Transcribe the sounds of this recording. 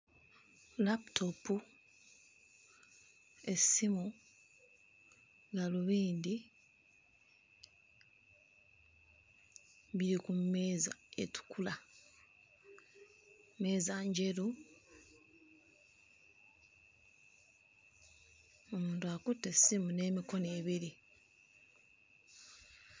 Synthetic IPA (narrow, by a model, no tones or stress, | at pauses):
laptʰopu | e̞simu | ɡaluβiːnd̪i | βiɾikumːeːza̰ḛtu̥kula | me̞ːzaɲɟe̞ɾu | omuːntuakutːe̞simune̞ːmiko̞neːβiɾi